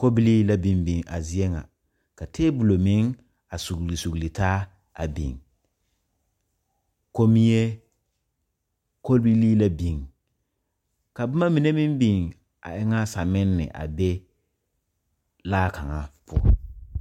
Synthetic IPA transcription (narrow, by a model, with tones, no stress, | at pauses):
ko˦bi˦li˦la˦bi˨mbi˨ŋʔa˨zi˦e˦ŋa̰˨ | ka˨teː˦bu˨lo˨mɪ˦ŋ | a˨su˨ɡli˨su˨ɡli˨taː˦ | a̰˨bḭ˨ŋ | ko˦mi˦je˦ | ko˦lbi˦liː˦la˦bi˨ŋ | ka˨bʊ˦ma˦mi˨ne˦mɪ˦mbi˨ŋ | a̰˨ʔɪ˦ŋa˦sa˨mɪ˦nːɪ̰˨ʔa̰˨bɛ˦ | laː˦ka˨ŋa˨pʰʊ˦ɔ̰˦˨